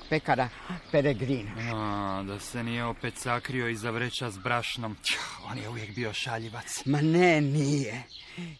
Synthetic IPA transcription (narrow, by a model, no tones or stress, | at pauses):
pekaɾa | peɾeɡɾinmad̪ase̞nijeo̞pe̞t̪sakɾio̞izaʋɾet͡ʃazbɾaʃno̞mo̞̰ːnjeuʋjekbio̞ʃaʎiʋat̪smanenije